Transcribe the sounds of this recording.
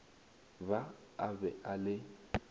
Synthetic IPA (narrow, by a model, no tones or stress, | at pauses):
ba | abɛʔalɪ